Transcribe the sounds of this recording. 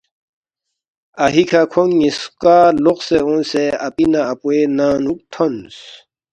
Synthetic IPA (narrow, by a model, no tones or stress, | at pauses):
aɦikʰakʰoŋːiskaloqseõnseapinaːpwenaːnuk̚t̪ʰons